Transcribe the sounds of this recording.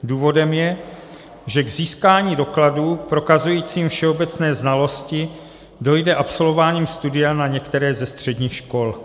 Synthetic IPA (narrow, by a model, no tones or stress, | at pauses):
duːvo̞dɛmjɛ | ʒɛɡziːskaːɲiːdo̞kladuːpɾo̞kazujiːt͡siːmfʃɛo̞bɛt͡snɛːznalo̞scɪ | do̞jdɛʔapso̞lvovaːɲiːmst̪udɪanaɲɛkt̪ɛɾɛːzɛst̪r̝̥ɛdɲiːxʃko̞l